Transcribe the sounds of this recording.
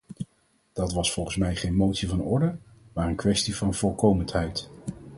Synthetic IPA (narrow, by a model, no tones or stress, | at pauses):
d̥ɑtʋɑsfɔlˠχən̩smɛjχejnmowtsivɑnɔɹdəmaːɹənkʋɛstivɑnvɔlˠkowməntɦɛjt